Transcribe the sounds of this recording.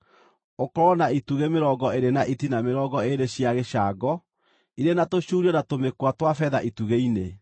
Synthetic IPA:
okɔɾɔnaituɣemeɾɔɡɔeɾenaʔitinameɾɔːɡɔeɾeɕiaɣeɕaːɡɔ | iɾenatoɕuɾiɔnatomekwatwafɛðaʔituɣeine

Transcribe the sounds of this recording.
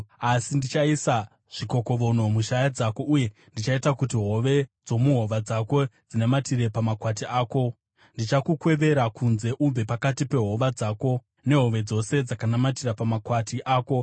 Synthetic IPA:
asindit͡ʃaisa | ʐ̥iko̞ko̞ʋo̞no̞muʃajad͡zako̞ʔuje̞ndit͡ʃaitakutiɦo̞ʋe̞d͡zo̞muɦo̞ʋad͡zako̞d͡zinematire̞pamakwatiaːko̞ | ndit͡ʃakukwe̞ʋe̞ɾakunze̞ʔumbe̞pakatipe̞ɦo̞ʋad͡zako̞ | ne̞ɦo̞ʋe̞d͡zo̞se̞d͡zakanamatirapamakwatiʔaːko̞

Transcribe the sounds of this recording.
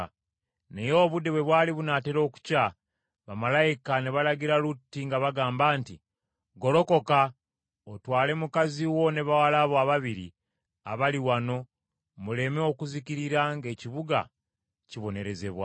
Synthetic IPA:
ne̞jo̞ːβude̞βwe̞βwaːliβunate̞ɾo̞ːku̥ca | βamalaikane̞βalaɟiɾalutːiŋɡaβaɡaːmbaːnti | ɡo̞lo̞ko̞ka | otwaːle̞mukaziwo̞ne̞βawalaβoaβaβiɾḭ | a̰βaliwano̞ | mule̞meo̞kuziciɾiɾaŋɡe̞ːciβuɡa̰ | ciβo̞ne̞ɾe̞ze̞βwa

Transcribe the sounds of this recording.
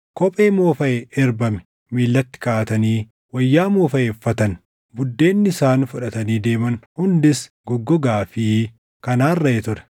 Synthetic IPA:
kɔpʼe̞ːmoːfɐʔeɛɾbɐmɛ̥ | miːlːɐt̪ːɪ̥kaːt̪ɐniː | wɐjːaːmoːfɐʔeːfːɐt̪ɐn | bʊd̪ːe̞ːnːɪɪsaːnfʊᶑɐt̪ɐniːd̪e̞ːmɐnhʊnd̪ɪs | ɡɔɡːɔɡaːfi | kɐnaːrːɐjɛt̪ʊɾɛ̥

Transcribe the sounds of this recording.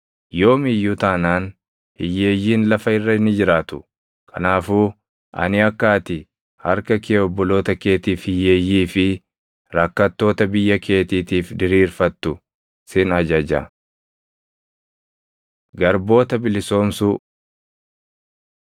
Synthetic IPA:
jo̞ːmɪjːʊt̪aːnaːn | hɪjːe̞ːjːiːnlɐfɐɪrːɐɪnːɪd͡ʒɪɾaːt̪ʊ̥ | kʰɐ̰naːfuː | ʔɐ̰nɪɐkːaːt̪ɪ | hɐɾkɐkeːɔbːɔlo̞ːt̪ɐke̞ːt̪iːfhɪjːeːjːiːfɪ | ɾɐkːɐt̪ːo̞ːt̪ɐbɪjːɐkʰe̞ːt̪iːt̪iːfd̪ɪɾiːɾfɐt̪ːʊ | sɪnɐd͡ʒɐd͡ʒɐ̰ | ɡɐɾbo̞ːt̪ɐbɪlɪso̞ːmsu

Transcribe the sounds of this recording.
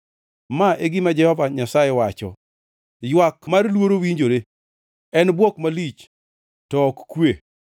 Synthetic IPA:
maʔeɡɪmad͡ʒɛhɔvaɲasajewat͡ʃɔ̰ | jwakmaɾlwoɾowiɲd͡ʒoɾe | ɛnbwɔkmalit͡ʃ | tɔːkkwe

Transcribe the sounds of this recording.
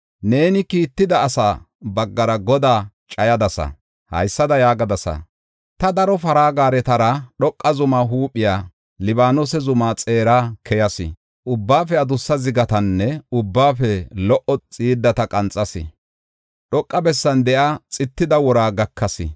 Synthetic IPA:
ne̞ːnɪkiːt̪ːɪd̪ɐːsaː | bɐɡːɐɾɐɡɔd̪aː | t͡ʃʼɐjɐd̪ɐsɐ̰ | hɐ̰jsːɐd̪ɐjaːɡɐd̪ɐsɐ̰ | t̪ɐd̪ɐɾɔfɐɾaːɡaːɾɛt̪ɐɾɐɗɔkʼːɐzʊmaːɦuːpʼːɪjaː | lɪbaːnosɛzʊmaːt͡sʼeːɾaːkʰɛjɐsɪ̰ | ʔʊbːaːfɛɐd̪ʊsːɐzɪɡɐt̪ɐnːɛʊbːaːfɛlɔʔɔt͡sʼiːɾd̪ɐt̪ɐkʼɐnt͡sʼːɐsɪ̰ | ɗɔkʼːɐbɛsːɐnd̪ɛʔɐt͡sʼɪt̪ːɪd̪ɐwɔɾaːɡɐkːɐsɪ̰

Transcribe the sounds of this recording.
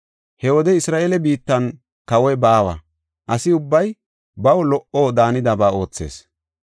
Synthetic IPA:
hɛwɔd̪ɛɪsɾaːʔeːlɛbiːt̪ːɐn | kɐwɔjbaːwɐ̰ | ʔɐsɪʊbːɐj | bɐwlɔʔoːd̪aːnɪd̪ɐbaːo̞ːt͡sːe̞̰ːs

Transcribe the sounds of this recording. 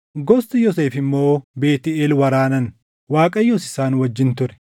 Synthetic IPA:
ɡɔst̪ɪjɔseːfɪmːo̞ːbe̞ːt̪ɪeːlwɐɾaːnɐn | waːkʼɐjːɔsɪ̥saːnwɐd͡ʒːɪnt̪ʊɾɛ̥

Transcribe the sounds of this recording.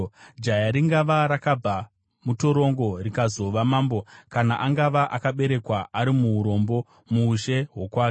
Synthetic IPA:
d͡ʒajaɾiŋɡaʋaɾakab͡va | muto̞ɾo̞ŋɡo̞rikazo̞ʋamaːmbo̞kanaʔaŋɡaʋaʔakaɓe̞ɾe̞kwaʔaɾimuuɾo̞mbo̞ | muːʃe̞ɦo̞kwaːk

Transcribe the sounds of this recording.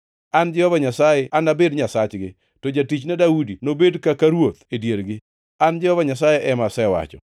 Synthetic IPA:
and͡ʒɛhɔvaɲasajeʔanabedɲasat͡ʃɡɪ | tɔd͡ʒatit͡ʃnɛdaudinobedkakaɾwot̪edjeɾɡɪ | and͡ʒɛhɔvaɲasajeʔɛmasɛwa̰t͡ʃɔ̰

